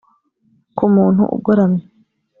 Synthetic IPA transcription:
kumuːn̥hṵʔṵbɡoɾamɲe

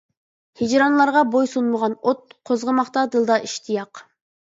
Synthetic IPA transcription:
hid͡ʒɾɑnlˠɑɾʁɑbojsunməʁɑnot̪̚qʰozʁəmɑχt̪ɑd̪ɨlˠd̪ɑʔiʃt̪ʰijɑq

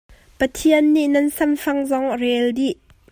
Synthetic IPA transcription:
pɐt̪ʰiənːiʔnɐnsɐmfɐŋzɔŋrɛldiʔ

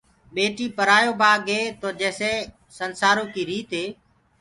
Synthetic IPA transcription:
ɓeːʈiːpəɾaːjoːbʱaːɠeːt̪oːd͡ʒɛːseː | sənsaːɾõːkiːɾiːt̪ɦeː

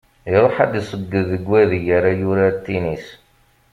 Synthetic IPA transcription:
iɾˤoħa̰d̪isˤəɡːəðːəɡwæðijəɾajʊɾat̪ːinis

